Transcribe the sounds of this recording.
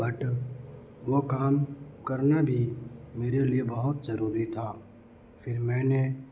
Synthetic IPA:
bɐʈ | ʋokaːmkɐɾnabʱimeːɾeliebɐɦʊt̪zɐɾuːɾit̪ʰaː | pʰɪɾmɛ̃ːne

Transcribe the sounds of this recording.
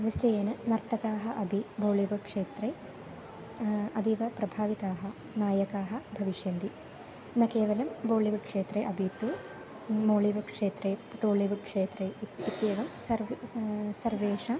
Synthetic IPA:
ʋɐstɐjenɨnɐɾt̪ʰɐkaːɦɐʔɐbʱiboːliʋɐkʂeːt̪ɾeː | ɐd̪iʋɐpɾɐbʱaːʋit̪aːɦɐ | naːjɐkaːɦɐbʱɐʋiʂjɐnd̪i | nɐkeːʋɐlɐmboːliʋukʂeːt̪ɾeʔɐbʱit̪ːu | moːliʋɐkʂeːt̪ɾeːʈoːliʋukʂeːt̪ɾeit̪jeːʋɐmsɐɾ | sɐɾʋeːʂa

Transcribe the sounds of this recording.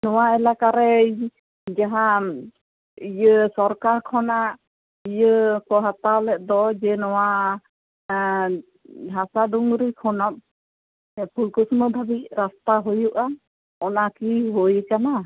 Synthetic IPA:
nɔwaɛlakaɾɛj | d͡ʒaɦa | ijəsɔɾkaɾkʰɔnaʔ | ijəkɔɦat̪awlɛʔ̚d̪ɔd͡ʒɛnɔwa | ɦasad̪uŋɾikʰɔnap̚ | pulkusməb̪ʱabiʔɾast̪aɦɔjuʔa | ɔnakiɦɔjəkana

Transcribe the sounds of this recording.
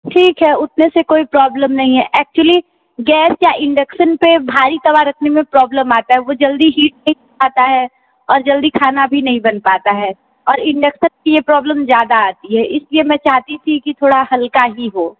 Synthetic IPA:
ʈʰiːkɦɛːʊt̪nesekoːipɾɔːbləmnɐɦĩɦɛʔɛːk̚t͡ʃuəli | ɡɛːsjaʔɪ̃ɳɖəkʃənpebʱaːɾit̪ɐβaɾɐkʰnemẽpɾɔːbləmaːt̪aɦɛʋod͡ʒɐld̪iɦiːʈ̚nɐɦĩkʰaːt̪aɦɛː | ɔːɾd͡ʒɐld̪ikʰaːnabʱinɐɦĩbɐnpaːt̪aɦɛː | ɔːɾɪ̃ɳɖəkʃənkijepɾɔːbləmzjaːd̪aaːt̪iɦɛːʔɪsliemɛ̃t͡ʃaːɦt̪it̪ʰikit̪ʰoːɽahɐlkaɦiɦoː

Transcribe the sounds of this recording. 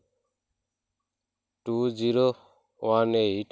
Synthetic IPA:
ʈuːd͡ʒiɾo | wãneɦiʈ

